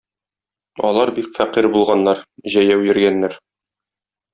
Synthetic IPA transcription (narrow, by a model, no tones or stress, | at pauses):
ɒ̰lˠɑɾbikfæqiɾbulˠʁɑnːɑɾʑæjæwjɘ̆ɾɡænːæɾ